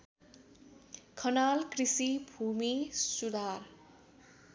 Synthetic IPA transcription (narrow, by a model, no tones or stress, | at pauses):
kʰʌnalkrisibʱumisud̪ar